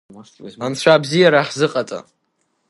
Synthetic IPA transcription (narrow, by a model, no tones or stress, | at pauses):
amt͡ɕʷʰaːbzijaɾaħzɨqʼat͡sʼa̰